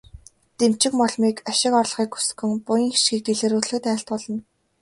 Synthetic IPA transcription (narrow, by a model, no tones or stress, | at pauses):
t̪em̥t͡ɕɪ̆kmɔɮmiːkaʃɪ̆kɔrɮ̆χiːku̥sɘ̥kɵ̆ŋpʊjĭːŋxi̥ʃɡiːk̚t̪eɮeːɾuːɮɘ̆kt̪æːɬt̪̚pɔɮɞ̆n